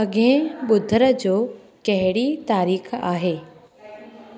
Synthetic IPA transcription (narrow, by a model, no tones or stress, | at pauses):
ɐɡẽɓʊd̪ʱəɾə̆d͡ʑoː | kɐɦɪɽit̪aːɾiːxaːɦeː